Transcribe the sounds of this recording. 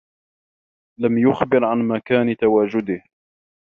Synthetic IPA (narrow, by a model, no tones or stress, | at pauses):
lamjʊxbɪɾʕanmakaːnt̪awaːd͡ʒʊd̪ɪh